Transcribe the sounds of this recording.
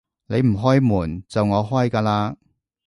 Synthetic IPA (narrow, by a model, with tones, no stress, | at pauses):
ne˨˧jm̩˨˩ɦɔː˥jmuː˨˩nt͡sɐ˨wŋɔː˨˧ɦɔː˥jkaː˧laː˧